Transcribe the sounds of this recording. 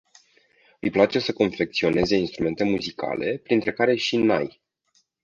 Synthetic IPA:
ɨ̰jplat͡ʃe̞səko̞nfe̞k̚t̪sio̞ne̞ze̞inst̪ɾume̞nt̪e̞muzika̰le̞pɾint̪ɾe̞kaɾe̞ʃina̰j

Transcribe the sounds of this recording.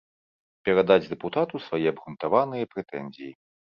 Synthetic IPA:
pʲɛɾad̪ad͡zʲd̪ɛput̪at̪usvajɛɐbɣunt̪avanɨjɐpɾɛt̪ɛnʲzʲiji

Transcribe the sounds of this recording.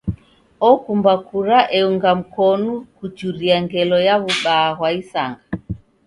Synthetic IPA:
ɔkumbakuɾaʔɛuŋɡam̩kɔnukut͡ʃuɾiaŋɡɛlɔjaβuɓaːɣwaisaŋɡa

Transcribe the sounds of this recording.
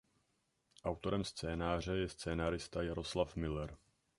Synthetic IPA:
ʔawt̪o̞ɾɛmst͡sɛːnaːr̝ɛjɛst͡sɛːnaːɾɪst̪ajaɾo̞slafmɪlɛɾ

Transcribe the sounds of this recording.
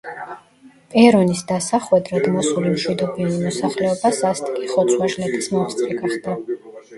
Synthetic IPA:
pʼɛɾɔnisd̪asaχwɛd̪ɾad̪mɔsulimʃwid̪ɔbiɛnimɔsaχlɛɔbasast̪ʰikʼiχɔt̪sʰwaʒlɛt̪ʰʼismɔmst̪sʼɾiɡaχd̪a

